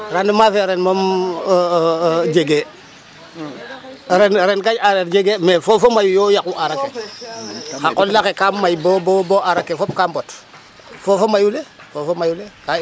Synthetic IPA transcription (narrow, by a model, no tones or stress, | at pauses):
ɾandumafeɾenmom | d͡ʒeɡe | ɾenɾenkaɲaɾetɟeɡemefofomajujojakuʔaɾake | xakollakekamːajboboboʔaɾakːefop̚kaːmbot | fofomajulefofomajuleka